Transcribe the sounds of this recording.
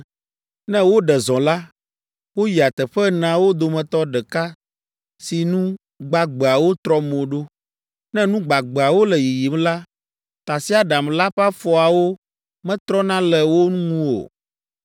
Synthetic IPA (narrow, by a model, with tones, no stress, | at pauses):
nɛ̃˦wo˦ɖɛ˨zɔ̃˨la˦ | wo˦ji˨a˨t̪ɛ˨ɸɛ˦nã˦wo˦d̪o˨mɛ̃˨t̪ɔ˦ɖɛ˨ka˦ | si˨nũ˦ | ɡ͡ba˨ɡ͡bɛ˨a˨wo˦t̪ɾɔ˦mõ˨ɖo˦ | nɛ̃˦nũ˦ɡ͡ba˨ɡ͡bɛ˨a˨wo˦lɛ˨ji˨ji˨m˦la˦ | t̪a˨si˦a˨ɖa˨mla˦ɸa˦fɔ˨a˨wo˦ | mɛ̃˦t̪ɾɔ˦nã˦lɛ˨wo˦nũ˦ŋũ˦o̰˨